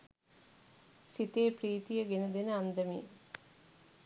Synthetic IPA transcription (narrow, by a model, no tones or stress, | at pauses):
sit̪eːpriːt̪ijəɡenəd̪enəand̪əmḭː